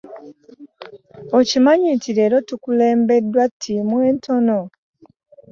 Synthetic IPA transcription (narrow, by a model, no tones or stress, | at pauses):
ocimaɲitiɾe̞ːɾo̞tukule̞ːmbe̞dːwatʰːimwe̞ːntʰo̞no